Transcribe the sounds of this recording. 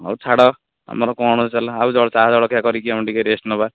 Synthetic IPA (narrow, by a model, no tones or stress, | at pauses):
a̰wt͡ʃʰaɽɔ | a̰mɔɾɔkɔɽ̃ɔst͡ʃalɔaud͡ʒɔɽɔt͡ʃad͡ʒɔɽɔkakɔɾikiamɔɳʈikeɾesʈnɔba